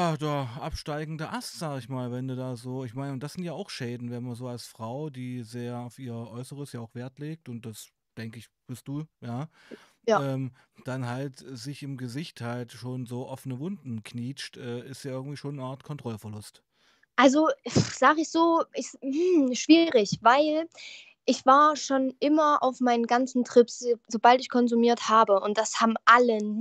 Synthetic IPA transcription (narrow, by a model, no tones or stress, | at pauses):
jaːd̥aːɐʔapʃtaɪɡŋ̩dəʔastz̥aːɡəɪçmaːlvɛnduːdaːzoːɪçmaɪnəʊnd̥asz̥ɪntjaːaʊxʃɛːdn̩vɛnmanzoːalsfʁ̥aʊdiːzeːɐaʊfiːɐʔɔʏsəʁəsjaːʊxv̥eːɐtleːk̚tʊnt̚d̥as | d̥ɛŋkəɪçb̥ɪst̚d̥uːjaː | ɛːmd̥anɦaltz̥ɪçɪmɡəzɪçthaltʃoːnzoːʔɔfənəvʊndn̩kʰniːt͡ʃtʔɛːɪstjaːɪɐɡŋ̩tv̥iːʃoːnːəʔaːɐtkʰɔntʁ̥ɔlfɛɐlʊst | ʔalzoz̥aːɡəɪçz̥oːʔɪç̩ʃv̥iːʁɪçv̥aɪl | ʔɪçv̥aːɐʃoːnʔɪmɐʔa̰ʊfmaɪnənɡant͡sn̩tʁ̥ɪpszobaltɪçkʰɔnzumiːɐthaːbəʊnt̚d̥ashaːbm̩ʔalən